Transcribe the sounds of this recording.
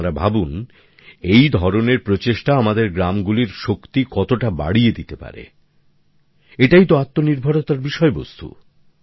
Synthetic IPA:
ɾabʱabun | ejd̪ʱɔɾoneɾpɾot͡ɕeʃʈaamad̪eɾɡɾamɡuliɾʃokt̪ikɔt̪oʈaba̰ɽied̪it̪epa̰ɾḛ | eʈajt̪oat̪ːoniɾbʱaɽot̪aɾbiʃɔebo̰st̪ṵ

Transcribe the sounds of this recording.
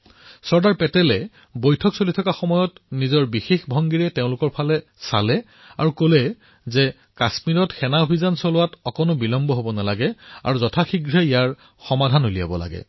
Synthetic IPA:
sɔɹdaɹpɛtɛlɛ | bojtʰɔksolitʰɔkaxɔmɔjɔtnizɔɹbixexbʱɔŋɡiɹɛteʊ̃lʊkɔɹpʰalɛ | sa̰lɛ | a̰ɹukolɛ | zɛ | kasmiɹɔtxɛnaobʱizansɔlʊwatɔkɔnʊbilɔmbɔɦobɔnalaɡɛa̰ɹuzɔtʰaxiɡɹɛijaɹ | xɔmadʱanolija̰bɔla̰ɡɛ̰

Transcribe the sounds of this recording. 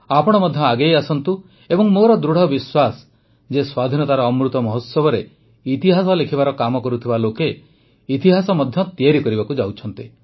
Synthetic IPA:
apɔɽ̃ɔmɔd̪ʱjɔaɡejasɔnt̪u | ebɔŋmoɾɔd̪ɾuɽ̤ɔbiswasɔ̥ | d͡ʒeswad̪ʱinɔt̪aɾɔːmɾut̪ɔmɔɦɔt̪sɔbɔɾe | it̪iɦasɔlekʰibaɾɔkamɔkɔɾut̪ʰibaloke | it̪iɦasɔmɔd̪ʱjɔt̪iaɾikɔɾibakud͡ʒawt͡ʃʰɔnt̪i

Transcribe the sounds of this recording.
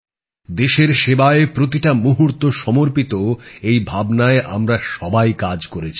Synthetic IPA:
d̪eʃeɾʃebaepɾot̪̬iʈamuɦuɾt̪oʃɔmoɾpit̪oejbʱabnaeʔa̰mɾaʃɔbajkad͡ʑkoɾet͡ɕʰi̥

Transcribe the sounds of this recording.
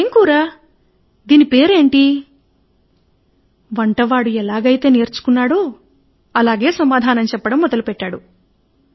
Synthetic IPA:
eŋkuːɾaː | d̪iːnipe̞ːɾe̞ːɳʈi | ʋɐɳʈɐʋaːɽuɛlaːɡɐjit̪e̞ːneːɾt͡ʃu̥kunːaːɽoː | ɐlaːɡe̞ːsɐmaːd̪ʱaːnɐmt͡ʃɛpːɐɽɐmːɔd̪ɐlupɛʈːaːɽu

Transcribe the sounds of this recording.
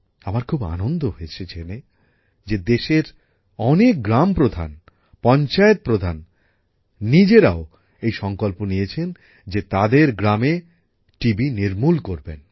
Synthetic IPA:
abaɾkʰuba̰nond̪oɦoeet͡ɕʰet͡ɕʰene | d͡ʑed̪eʃeɾ | ɔnek̚ɡɾampɾod̪ʱa̰n | pɔnt͡ɕaet̪̚pɾod̪ʱanː | id͡ʑeɾao | ejʃɔŋkolponijet͡ɕʰen | d͡ʑet̪ad̪eɾɡɾame | ʈibiniɾmulkoɾben

